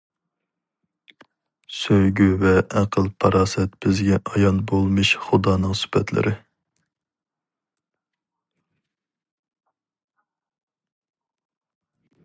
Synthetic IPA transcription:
søjɡʲyvɛʔæqʰəlˠpʰɑɾɑːsɛt̪b̥ɪzɡʲɛʔɑjɑnbolˠmɨʃχʊd̪ɑːnɨŋsy̥pɛt̪ʰlɪ̰ɾʔɪ

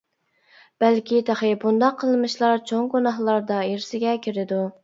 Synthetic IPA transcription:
b̥ælkʲit̪ʰɑχɪbund̪ɑqʰːəlˠmɨʃlˠɑɾt͡ʃʰoŋɡunɑɦlˠɑɾd̪ɑeɾsɪɡʲɛkʲʰiɾɪd̪u

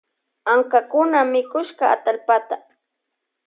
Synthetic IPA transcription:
aŋkakʊnamɪkʊʃkaa̰t̪alpat̪a

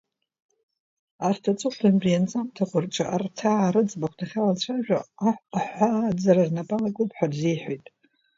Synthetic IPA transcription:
artʰat͡sʼɨχanbijant͡sʼamtʰakʷʰʊrʈ͡ʂʰʼa̰ʔartʰaʕaɾɨd͡zʼbakʷdʰaχʲalant͡ɕʷʰaʒᶣaħʷad͡zararnapʼalakʼʊpʰʼħʷᶣarzijħʷojtʼ

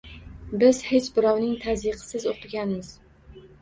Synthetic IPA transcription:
bɪz̥het͡ʃbɪɾɒwnɪŋt̪ʰaziqʰɨ̥sɪzot̪ɪɡʲanmɪz̥

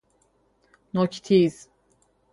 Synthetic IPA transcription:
nokʲi̥t̪ʰiz̥

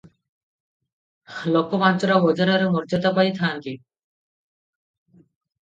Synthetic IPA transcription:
lɔkomant͡ʃɔɾabɔd͡ʑaɾaɾemɔɾd͡ʑat̪apait̪ʰaːnt̪i

